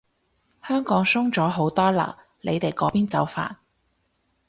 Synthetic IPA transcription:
hœː˥ŋkɔː˨˥ŋsʊ˥ŋt͡sɔː˨˥ɦo˨˥wt̪ɔː˥lɐ̰ː˨˩w | le˨˧jt̪e˨˩jkɔː˨˥piː˥nt͡sɐ˨˧˥wfa̰ː˨n

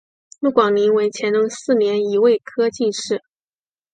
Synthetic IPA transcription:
pu˥˩kwɑ˨˩ŋli˧˥ŋwe˧˥ɪt͡ɕʰjɛ˧˥nɤ˥ŋsɹ̩˥˩njɛ˧˥ni˧˥we˥˩ɪkʰɤ˥t͡ɕi˥˧ʂɻ̩˥˩

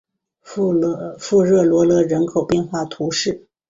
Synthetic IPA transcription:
fu˥˧ɻɤ˥˩lwɔ˧˥lɤ˧˥ɻə˧˥nkʰo˨˩ʊpjɛ˥˧nxwa˥˩t̪ʰu˧˥ʂɻ̩˥˩

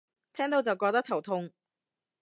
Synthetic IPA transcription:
t̪ʰɛː˥ŋt̪o˧wt͡sɐ˨wkɔː˧k̚t̪ɐ˥t̪ʰɐ˨˩wt̪ʰʊ˧ŋ

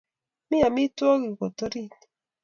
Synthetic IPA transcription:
mɪ˦a˨mi˦to˦ɡi˨ko˨to˦ɾi˦n˨

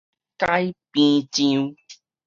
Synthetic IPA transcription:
ka˦jpĩ˧˦tĩ˧u˦

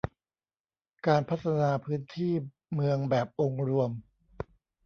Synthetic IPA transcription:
kaː˧npʰa˦˥t̪̚ːʰa˧naː˧pʰɯː˦˥nt̪ʰiː˥˩ | mɯ˧əŋbɛː˨˩p̚ʔo˧ŋɾu˧əm

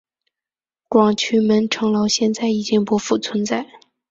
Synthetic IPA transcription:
kwɑ˨˩ŋt͡ɕʰy˧˥mə˧˥nʈ͡ʂʰɤ˧˥ŋlɑ˧˥ʊɕjɛ˥˧nt͡sa˥˩ɪi˨˩t͡ɕi˥˩ŋpwɔ˧˥fu˥˩t͡sʰwə˧˥nt͡sa˥˩ɪ

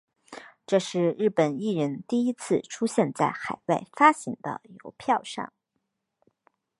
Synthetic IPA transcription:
ʈ͡ʂɤ˥˧ʂɻ̩˥˧ɻɻ̩˥˩pə˨˩ni˥˩ɻə˧˥nt̪i˥˩i˥t͡sʰɹ̩˥˩ʈ͡ʂʰu˥ɕjɛ˥˧nt͡sa˥˩ɪxa˨˩ɪwa˥˩ɪfa˥ɕi˧˥ŋd̪ə̰˧jo˧˥ʊpʰjɑ˥˧ʊʂɑ̰˥˩ŋ

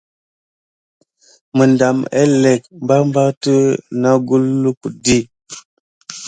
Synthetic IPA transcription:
mə˨nda˨mḛ˦le˨k̚mba˦mba˦tə˦na˦ɡu˦lːu˦ku˨di˦˨

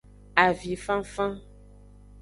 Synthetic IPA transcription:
a˨vi˨fã˦fã˦

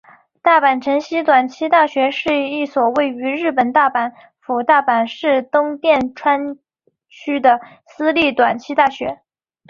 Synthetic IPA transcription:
t̪a˥˩pa˨˩nʈ͡ʂʰə˧˥ŋɕi˥t̪wa˨˩nt͡ɕʰi˥t̪a˥˩ɕɥɛ˧˥ʂɻ̩˥˧i˥˩swɔ˨˩we˥˩ɪy˧˥ɻɻ̩˥˩pə˨˩nt̪a˥˩pa˧˥n | fu˨˩t̪a˥˩pa˨˩nʂɻ̩˥˩t̪ʊ˥ŋt̪jɛ˥˩nʈ͡ʂʰwa˥n | t͡ɕʰy˥d̪ə˨ | sɹ̩˥li˥˩t̪wa˨˩nt͡ɕʰi˥t̪a˥˩ɕɥɛ˧˥

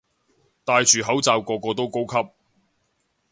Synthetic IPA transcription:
t̪aː˨˧jt͡ʃʰyː˨˩ɦɐ˨˥wt͡saː˨˧wkɔː˧kɔː˧t̪o˥wko˥wkʰɐ˥p̚

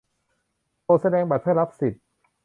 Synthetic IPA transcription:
toː˧sa˧dɛː˧ŋba˨˩pʰa˥˩ɾa˦˥p̚si˨˩t̪̚

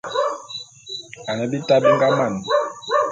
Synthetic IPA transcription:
a˨nɛ˨bi˦ta˦bi˦ŋɡa˦ma˦˨ni˨

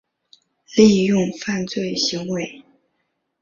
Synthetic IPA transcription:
li˥˧jʊ˥˧ŋfa˥˧nt͡swe˥˩ɪɕi˧˥ŋwe˧˥ɪ

